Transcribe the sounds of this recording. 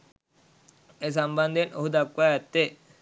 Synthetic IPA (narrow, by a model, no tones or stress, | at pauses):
es̬amband̪eno̰ɦud̪akːajat̪ːe